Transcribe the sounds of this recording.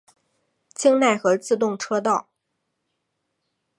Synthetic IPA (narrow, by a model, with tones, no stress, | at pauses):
t͡ɕʰi˥ŋna˥˧ɪxɤ˧˥t͡sɹ̩˥˧t̪ʊ˥˧ŋʈ͡ʂʰɤ˥t̪ɑ˥˩ʊ